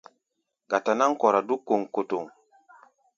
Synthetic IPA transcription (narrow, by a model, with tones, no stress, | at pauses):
ɡa˨ta˨na˦ŋ˦kɔ˨ɾa˨du˦kːo˨ŋko˨to˨ŋ